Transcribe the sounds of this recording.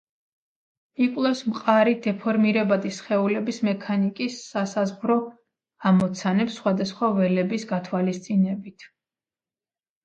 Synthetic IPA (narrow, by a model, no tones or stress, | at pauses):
ikʼwlˠɛfsmqʼaɾid̪ɛpʰɔɾmiɾɛbad̪isχɛulɛbismɛkʰanikʼisːasazʁɾɔ | amɔt̪sʰanɛpsːχwad̪asχwavɛlɛbisɡat̪ʰwalist̪sʼinɛbit̪ʰ